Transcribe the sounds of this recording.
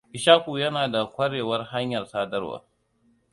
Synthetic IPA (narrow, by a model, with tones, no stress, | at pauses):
ʔɪ˨ʃaː˦kʷuː˨jɐ˦naː˨da˨kʷɐ˦ɽeː˨wɐ˦rha˦ɲjɐ˨rsaː˦dɐ˦rwa̰ː˨